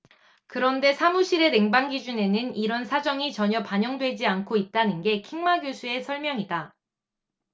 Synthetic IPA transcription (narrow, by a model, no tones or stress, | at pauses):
kɯɾʌnde̞sʰamuɕʰiɾe̞ne̞ŋbaŋɡid͡ʑune̞nɯniɾʌnsʰad͡ʑʌŋit͡ɕʌɲʌpaɲʌŋdwe̞d͡ʑiankʰoit̚t͈anɯnɡe̞kʰiŋmaɡjosʰue̞sʰʌɭmjʌŋida